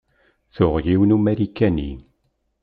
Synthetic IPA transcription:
θʊʁjiwnumeɾikːænḭ

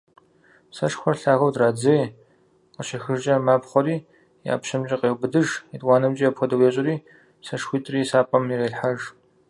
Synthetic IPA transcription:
sɐʂxʷɔrɬaːɣɐwdraːd͡zej | qəɕexɨʒt͡ʃʼɐmaːpχʷɔɾiː | ja̰ːpɕɐmt͡ʃʼɪqeːwbɨdɨʒitʼwɑːnɐmt͡ʃʼijapʰxʷɔdɐweːɕʼɪɾiː | sɐʂxʷiːtʼriːsaːpʼɐmiɾeːɬħaʒ

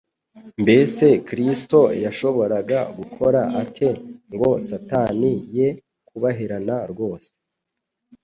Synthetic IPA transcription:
mbe̞se̞kɾisto̞jaʃo̞βo̞ɾaɡaɡukʰo̞ɾaʔatʰe̞ŋɡo̞̰satanije̞ | kuβaɦiɾanaɾɡo̞ːse̥

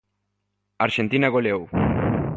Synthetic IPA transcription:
aɾʃent̪inaɣoleow

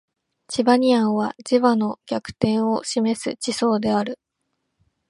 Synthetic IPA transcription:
t͡ɕibaɲ̟iãɰ̃β̞ad͡ʑiβano̞ɡʲakɯ̟̥t̪ẽ̞ɰ̃o̞ɕime̞sɨ̰t͡ɕiso̞ːd̪e̞aɾɯ̟

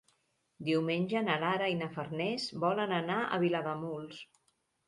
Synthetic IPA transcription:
d̪iwmenʲʒənəlaɾəinəfərnɛzbɔlənənaʔə̰βiləðəmulˠs

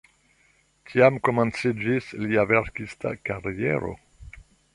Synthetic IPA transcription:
tʰiamkomãnsed͡ʒisliavɛɾkist̪a̰kaʁjɛ̰ɾo̰

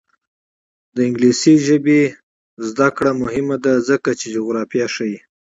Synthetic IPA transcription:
d̪əɪŋɡlisiʒəbe | zd̪akɽamʊhɪmad̪azəkat͡ʃed͡ʒuɣɾɑfijaʃəji

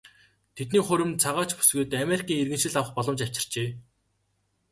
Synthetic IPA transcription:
t̪ʰet̪niːχɵɾɘ̆mt͡sʰaʁaːt͡ɕpu̥sɡuːt̪ameɾʲikiːŋerɣɘ̆nʃɘ̆ɮawə̆χpɔɮɞ̆mt͡ɕaw̥ʲt͡ɕɪ̆r̥t͡ɕeː

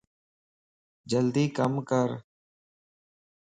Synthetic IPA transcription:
d͡ʒəld̪iːkəmkəɾ

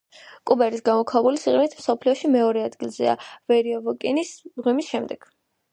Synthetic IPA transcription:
kʼubɛɾisɡamɔkʰaɛbulisiχʼinit̪ʰmsɔpʰliɔʃimɛɔɾɛad̪ɡilˠzɛ̰a̰vɛɾiɔvɔkʼinisʁwimisʃɛmd̪ɛɡ̥

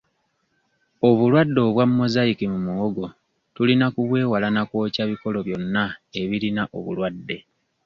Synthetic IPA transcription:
o̞βulwadːo̞ːβwamːo̞zaikimumuwoɡo̞ | tulinakuβwe̞ːwalanakwo̞ːcaβiko̞lo̞βjo̞nːae̞βilinaʔo̞̰βṵlwadːe̞

